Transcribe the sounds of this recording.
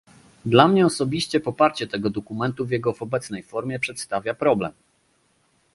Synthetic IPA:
d̪lamɲɛɔsɔbʲiɕt͡ɕɛpɔpaɾt͡ɕɛt̪ɛɡɔd̪ɔkumɛnt̪uvjɛɡɔvɔbɛt̪snɛjfɔɾmʲjɛpʂɛt̪st̪avʲjapɾɔblɛ̰m

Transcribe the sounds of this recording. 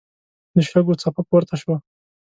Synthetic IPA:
d̪əʃaɡot͡sapakwəɾt̪ʰaʃwa

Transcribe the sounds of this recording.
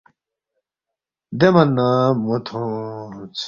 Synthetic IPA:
d̪emɐnːamot̪ʰõ | t͡sʰ

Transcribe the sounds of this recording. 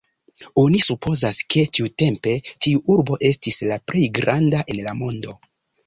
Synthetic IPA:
o̞nisupʰo̞zaskʰe̞tiute̞mpe̞tiuʔuɾbo̞ʔe̞stislaple̞jɡɾandaʔe̞nlamo̞ndo̞

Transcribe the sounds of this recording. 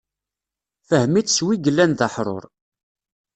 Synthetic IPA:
fəhmit͡sːswiɡəlːænðəħɾˤo̰ɾˤ

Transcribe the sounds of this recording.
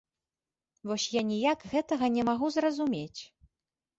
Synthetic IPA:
vɔsʲjanʲijakɣɛt̪ɐɣɐnʲɛmaɣuzrɐzumʲet͡sʲ

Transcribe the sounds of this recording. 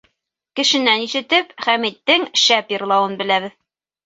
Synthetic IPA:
kɘ̆ʃɘ̆næniʃɘ̆t̪ɘpχæmit̪ːɘŋʃæpjɤ̆ɾlˠɑwɤnbɘ̆læβɘð

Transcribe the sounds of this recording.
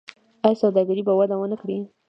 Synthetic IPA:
ajsawd̪ɑɡaɾibawad̪awənakɽi

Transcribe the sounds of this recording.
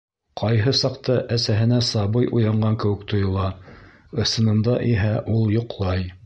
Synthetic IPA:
qʰɑjɦɤsɑqt̪ɑʔæsæɦɘ̆næsɑβɤjʔujɑɴɢɑŋkɘ̆wɘ̆kt̪ŏjŏlˠɑ | ɤ̆sɤ̆nɤ̆nd̪ɑʔiɦæʔulˠjŏqlˠɑj

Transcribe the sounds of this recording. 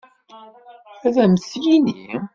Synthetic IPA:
æðæmsjinḭ

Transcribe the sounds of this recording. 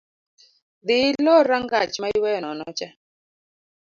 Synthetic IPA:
ðilɔɾaŋɡat͡ʃmaiwɛnɔnɔt͡ʃa

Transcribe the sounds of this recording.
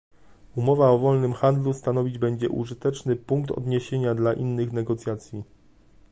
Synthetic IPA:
umɔvaɔvɔlnɘmxand̪lust̪anɔvʲid͡ʑbɛɲd͡ʑɛ̰ʔṵʐɘt̪ɛt͡ʂnɘpuŋkt̪ɔ̰d̪ɲeɕeɲad̪laʔinːɘxnɛɡɔt̪sʲjat̪sʲji

